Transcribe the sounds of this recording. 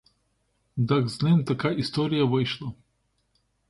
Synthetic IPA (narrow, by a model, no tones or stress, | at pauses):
d̪akznɨmt̪ɐkajist̪oɾʲɪjəvɨjʂlˠɐ